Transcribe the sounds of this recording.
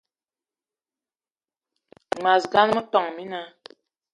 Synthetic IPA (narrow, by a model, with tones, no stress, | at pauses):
ŋ͡ma˨sɡa˦n˦mə˦tɔ˨ŋmi˦na˦